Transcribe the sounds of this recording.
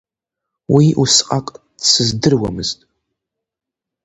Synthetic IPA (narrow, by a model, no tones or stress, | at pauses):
wiʔusqʼakʼ | sɨzdɨrwa̰mɨz̥tʼ